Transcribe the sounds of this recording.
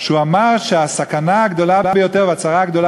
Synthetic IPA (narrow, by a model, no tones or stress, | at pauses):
ʃuamaʁʃeasakanaaɡd̪o̞laabejo̞t̪eʁvat͡saʁaɡd̪o̞la